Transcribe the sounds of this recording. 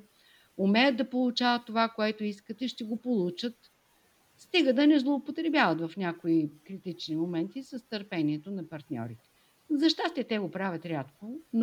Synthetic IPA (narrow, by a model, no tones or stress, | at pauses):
umɛjəd̪̚d̪ɐpolˠut͡ʃavət̪ːovakoɛt̪oiskət̪ɛʃt̪ɛɡopolˠut͡ʃət̪ | st̪iɡəd̪ənɛzlˠoopot̪ɾɛbjavət̪vɐfnʲjakoikɾit̪it͡ʃnimomɛnt̪isɐst̪əɾpɛniɛt̪onɐpɐɾt̪nʲɔ̰ɾit̪ɛ̥ | zɐʃt̪ast̪ɛt̪ɛɡopɾavʲɐt̪ɾʲat̪kon